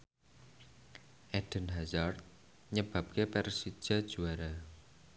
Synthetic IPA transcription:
ʔɛɖ̥ə̤nɦazart̪̚ | ɲəb̥a̤p̚kepɛrsi̥ʒ̥a̤d̥ʒ̥uaɾa

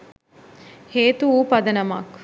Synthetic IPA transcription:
heːt̪uuːpɐd̪ɐnɐma̰k

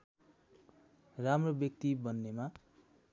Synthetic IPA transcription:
ramrobjʌk̚t̪ibʌnːema

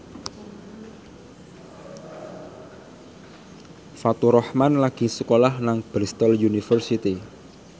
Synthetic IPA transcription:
fat̪uɾɔhmanlaɡ̥i̤səkolahnaŋb̥ɾist̪ɔljunifərsit̪i

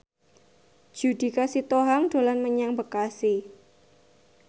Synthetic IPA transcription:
d̥d͡ʒ̥ṳd̥i̤kasit̪oɦaŋd̥o̤lanməɲaŋbəkasi

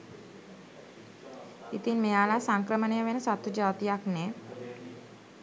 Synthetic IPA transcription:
it̪iːnmejalasãŋkɾəməneəʋensat̪ud͡ʑat̪ijakne

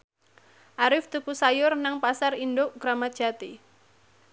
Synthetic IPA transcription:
ʔaɾɪft̪ukusajʊrnaŋpasarindoʔɡ̥ɾamad̥ʒ̥at̪i

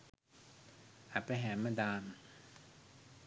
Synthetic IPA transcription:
ʔat̪̚pajɦɛːnmadaːn

